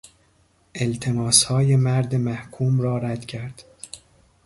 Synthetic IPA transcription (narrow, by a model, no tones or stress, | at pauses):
ʔelt̪ʰe̞mɒːshɒːje̞mæɾd̪emæhkʰuːmrɒːɾæd̪̥cʰæɾd̪̥